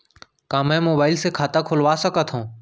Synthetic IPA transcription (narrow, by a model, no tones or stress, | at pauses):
kãːmẽːmoːbaːɪlseːkʰaːt̪aːkʰoːlʋaːsəkət̪ɦõː